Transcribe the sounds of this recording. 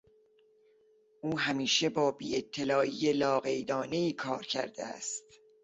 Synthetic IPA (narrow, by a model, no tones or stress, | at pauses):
ʔuːɦæmiːʃe̞bɒːbiːe̞t̪ʰːelɒːʔiːjelɒːɣe̞jd̪ɒːne̞iːkʰɒːɾcʰæ̰ɾd̪ḛæ̰st̪